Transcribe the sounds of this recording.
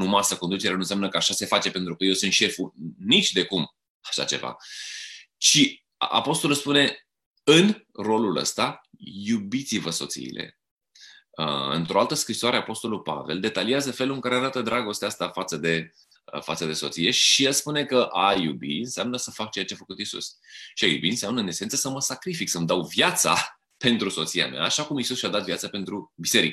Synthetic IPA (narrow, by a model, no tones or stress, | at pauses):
numasəkond̪ut͡ʃe̞ɾanuns̬ʲamnəkəaʃase̞fat͡ʃe̞pent̪ɾukəjewsunt̪ʃe̞funit͡ʃʲd̪e̞kum | aʃa̰t͡ʃe̞̰va̰ | t͡ʃi | a̰po̞st̪o̞luspune̞ | ɨn | ro̞lulə̰st̪ajubit̪sivəso̞t̪sḭːle̞̰ | ə̰ɨ̰nt̪ɾo̞alt̪əskɾisoaɾe̞apo̞st̪o̞lulpa̰ve̞ld̪e̞t̪aliazəfe̞luɨŋkaɾeaɾat̪əd̪ɾʔaɡo̞st̪east̪afat̪səd̪e̞ | fat̪səd̪e̞so̞t̪sije̞ʃijelspune̞kəʔajṵbḭɨnseamnəsəfak̚t͡ʃe̞jat͡ʃeafəkut̪isṵsʃiajṵbiɨnseamnəɨne̞se̞nt̪səsəməsakɾifiksəmd̪awvjat̪sa̰ | pe̞nt̪ɾuso̞t̪sia̰mḛa̰ːʃakumisusʃʲiad̪at̪vjat̪sape̞nt̪ɾubise̞ɾik